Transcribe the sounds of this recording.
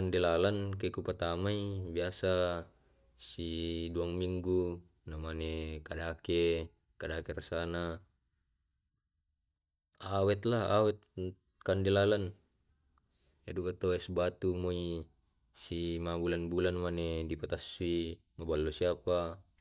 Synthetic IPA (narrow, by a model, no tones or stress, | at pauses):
andelalankekupat̪amaibiasa | siduaŋmiŋɡu | namanekadake | kadakerasana | awɛt̪laawɛt̪̚ | kandelalan | adukat̪oɛsbat̪umoi | simabulanbulanmanedipat̪asui | mabalːosiapa